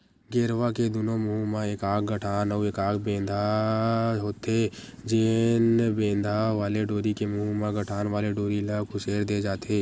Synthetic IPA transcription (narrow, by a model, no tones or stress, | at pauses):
ɡeːɾʋaked̪unomʊɦumaeːkaːkɡəʈʰaːnəeːkaːkʰbẽːnd̪ʱa | ɦoːt̪ed͡ʒenbẽːnd̪ʱaʋaːleɖoːɾikemʊɦumaɡəʈʰaːnʋaːleɖoːɾilakoʃeːɾd̪eːd͡ʒaːt̪eː